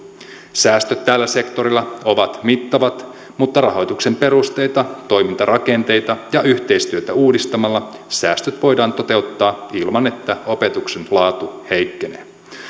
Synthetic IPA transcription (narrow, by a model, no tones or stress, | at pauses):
sæːst̪øt̪ːæːlːæse̞kt̪o̞ɾilːɑo̞ʋɑt̪mit̪ːɑʋɑt̪ | mut̪ːɑrɑɦo̞jt̪ukse̞mpe̞ɾust̪e̞jt̪ɑt̪o̞jmint̪ɑrɑke̞nt̪e̞jt̪ɑjɑʔyçt̪e̞jst̪yøt̪æuːdist̪ɑmɑlːɑ | sæːst̪øt̪ʋo̞jdɑːnt̪o̞t̪e̞ut̪ːɑːilmɑne̞t̪ːæo̞pe̞t̪ukse̞nlɑːt̪uhe̞jkːe̞nḛː